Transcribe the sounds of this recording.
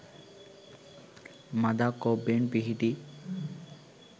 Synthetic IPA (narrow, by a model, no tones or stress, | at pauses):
mad̪akɔbeɳpiɦiʈi